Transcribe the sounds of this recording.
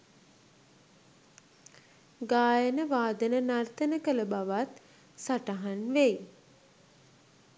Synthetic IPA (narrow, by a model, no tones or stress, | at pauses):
ɡaːjənəʋaːd̪ənənart̪ənəkələbaʋat̪ | saʈaɦanʋej